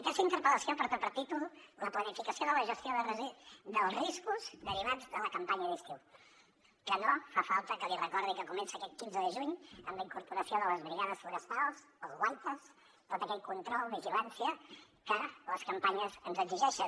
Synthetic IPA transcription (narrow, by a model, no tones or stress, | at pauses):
əkɛst̪əint̪əɾpələsiopəɾt̪opəɾt̪it̪ulləplənifikəsioðələʒəst̪ioðərəzid̪əlˠzriskuzd̪əɾiβad͡zpəɾləkəmpaɲəðist̪iw | kənofafalˠt̪əkəlirəkɔɾðikəkumɛnsiəkɛt̪̚kinzəðəʒuɲəmləiŋkuɾpuɾəsioðələzβɾiɣaðəsfluɾəst̪alˠs | əlˠzɣwajt̪əs | t̪ot̪əkɛʎkunt̪ɾɔlˠβiʒilansiə | kələskəmpaɲəzənzəɡziʒɛʃə